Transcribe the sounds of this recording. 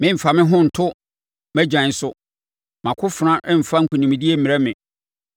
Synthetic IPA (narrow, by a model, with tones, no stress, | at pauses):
mɪ̃˦m̩˨fa˨mɪ̃˦ɦʊ̃˦n̩˨tʰʊ˦ | mæ˦d͡ʑᶣã˨˦n̩˦sʊ˦ | mã˨kʰʊ˦fɾã˦ʔɛ˦m̩˨fa˦ŋ̩˦kʰʊ˨nĩ˨mĩ˨di˦e˦m̩˦mĩ˨ɾɛ˦mɪ̃˨